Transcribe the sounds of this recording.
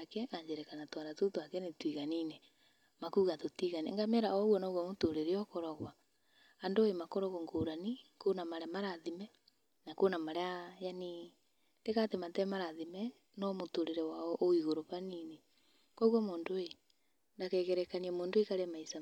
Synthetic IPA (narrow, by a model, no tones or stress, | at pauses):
akɛʔaɲd͡ʒeɾɛkanatwaɾatotoakɛnetwiɣanine | makuːɣatotiɣaniŋɡamɛɾaɔɣwɔnɔɣwɔmotoɾeɾeɔkoɾɔɣwaː | ndoemakoɾɔɣɔŋɡoɾanikonamaɾɛmaɾaðimɛ | nakoːnamaɾeajani | tekatematɛmaɾaðimɛ | nɔmotoɾeɾewaɔʔoiɣoɾopanine | kɔɣwɔmoːndoe | ndakɛɣɛɾɛkaniɛmoːndoekaɾemaisa